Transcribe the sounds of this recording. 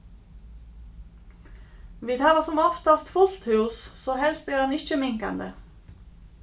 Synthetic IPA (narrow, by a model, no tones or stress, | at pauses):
ʋiːd̪hɑːʋɑsʊmɔft̪ɑst̪fʊlt̪hʉːssoːhɛlst̪æːɖɑnɪc͡çəmɪŋkɑ̰nd̪ə